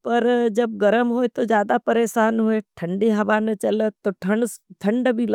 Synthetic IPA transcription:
pɐɾd͡ʒɐb̚ɡɐɾəmɦoːet̪od͡ʒjaːd̪apɐɾeːsaːnɦoːeʈʰɐ̃ɳɖeɦɐʋaːnət͡ʃɐlət̪ːoʈʰɐɳʈ̪ʰɐ̃ɳɖbʱilɐ

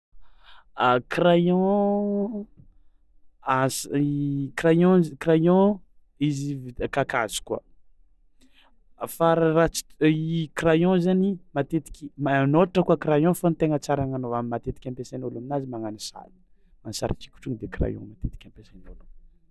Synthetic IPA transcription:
akrajɔ̃ | as | krajɔ̃zkɾajɔ̃ | izivkakazi̥kua̰ | faɾrat͡si̥ikrajɔ̃zanimat̪et̪i̥kʲimanoaʈ͡ʂəkuakɾajɔ̃fant̪eŋət͡saɾaŋanoamimat̪et̪i̥kʲãmpesanoluminazimaŋanisa̰li̥ | mansa̰ɾa̰ki̥kʲu̥ʈ͡ʂuŋd̪ekra̰jɔ̰̃mat̪et̪i̥kʲãmpesanolum

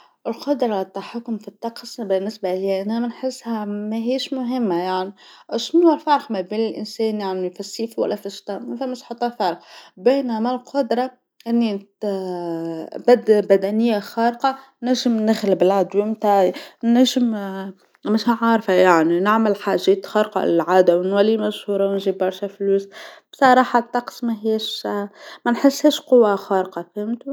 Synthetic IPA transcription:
ʔɪlqʊd̪ɾˤɑt̪ːaħakːʊmfit̪ːɑqsˤbɪnːɪsbaliːʔænæmɪnħɪsːhæmæɦiːʃmʊɦɪmːajaʕniʃnufɑɾˤqmæbiːnɪlʔɪ̰nsɛːnjaʕnifisːiːfwæ̰lːæfɪʃt̪ɑmæfæmːɪʃħɑt̪ˤːɑfɑɾˤqbiːnæmalqʰʊd̪ɾˤɑ | ʔɪnːi | bad̪bæd̪ænɪjːaxɑːɾqɑ | næʒəmnɪxlɪbɪlʕad̪wɪmt̪anæʒəm | mɪʃʕɑɾˤfajaʕninɪʕməlħaːʒɛːt̪xɑɾqɑ̰lɪlʕaːd̪awnwælːimæʃhuːɾˤɑwnʒibɑɾˤʃæfluːsb̥sˤɑɾˤɑːħɑt̪ːɑqsmæɦiːʃ | mænħɪsːhɛːʃqʊwːaxɑːɾqɑfɪmt̪u

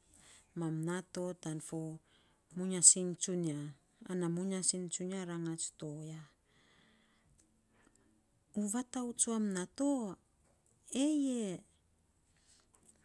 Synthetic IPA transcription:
mamnato̞tanfo | muɲasiŋt͡ʃuniaː | namuɲasint͡ʃuniaɾaŋat͡ʃtoja | uβataut͡ʃuamnato | eje

